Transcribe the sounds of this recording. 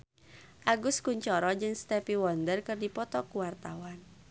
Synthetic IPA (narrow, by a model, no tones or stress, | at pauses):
ʔaɡʊskuɲt͡ʃɔɾɔd͡ʒɨŋst̪ɛpiwɔndərkɨrdipɔt̪ɔkuwart̪awan